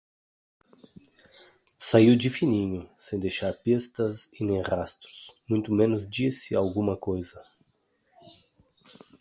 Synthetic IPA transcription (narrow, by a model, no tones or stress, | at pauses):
saiwd͡ʒifinĩɲʊsẽj̃d̪ejʃaɾpest̪ɐsinẽj̃ʁast̪ɾu̥smũj̃t̪ʊmẽnʊzd͡ʒisɪawɡũmɐkojzɐ